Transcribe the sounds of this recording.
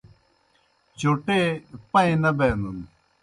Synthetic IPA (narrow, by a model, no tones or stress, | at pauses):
t͡ɕoʈeːpɐ̃ẽnɐbeːnd̪un